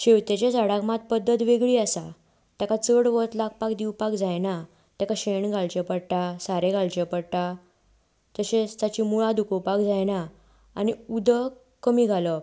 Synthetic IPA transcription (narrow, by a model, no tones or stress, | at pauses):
ɕewt̪et͡ɕed͡zəɽaɡmat̪̚pəd̪ːət̪ʋeɡɭiːasa | t̪jakat͡səɽʋət̪laɡ̚pakd̪iwpakd͡zajna | t̪jakaɕeɳɡʱaɭt͡ɕepəɽʈasaɾeɡaɭt͡ɕɛpəɽʈ̪a | d͡z̪əɕẽst̪at͡ɕimuɭad̪ukəpakd͡zajna̰ː | niud̪ə | kəmiːɡʱalə